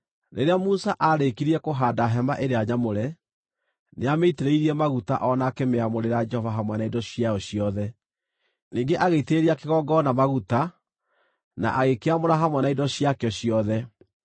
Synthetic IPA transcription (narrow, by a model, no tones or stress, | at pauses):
nʔeɾeamusaʔaɾekiɾiɛkoɦaːdaɦɛmaʔeɾeaɲamoɾɛ | neameiteɾeiɾiɛmaɣuta̰ʔɔnakemeamoɾeɾad͡ʒɛhɔvaɦamwɛnaidɔɕjaɔɕiɔðɛ | niːŋɡeʔaɣeiteɾiakeɣɔɡɔnamaɣuta | na̰ʔaɣekeamoɾaɦamwɛnaidɔɕjakeɔɕjɔðɛ